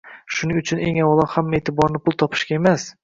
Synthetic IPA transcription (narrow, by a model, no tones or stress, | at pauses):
ʃʊnɪʊt͡ʃʰʊne̞̰ŋawlˠɒhamːet̪ʰɪbɒɾnɪpʰʊlˠt̪ʰɒpʰɪ̥ʃkʲae̞mas